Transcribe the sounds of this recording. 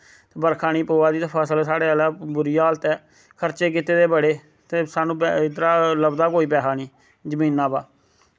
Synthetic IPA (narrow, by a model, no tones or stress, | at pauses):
t̪eːbəɾkʰaːñiːpoːaːd̪iːt̪ːpʰəːsəlsaːɽeːəlaːbʊɾiːaːlət̪ɛː | kʰəɾt͡ʃeːk̬ɪit̪eːd̪eːbəɽeː | t̪eːsaːnũːbd̪əɾaːləbd̪aːkoːiːpɛːɦaːniː | d͡ʒəmĩːnːãːbaː